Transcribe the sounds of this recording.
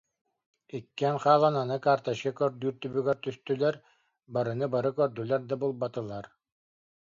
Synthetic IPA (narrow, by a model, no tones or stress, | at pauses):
ikːɛnχaːlˠananɯkaːɾt̪aʃkɛkœɾd̪yːɾt̪ybyɡɛɾt̪yst̪ylɛɾ | baɾɯnɯbaɾɯkœɾd̪ylɛɾd̪abulˠbat̪ɯlˠaɾ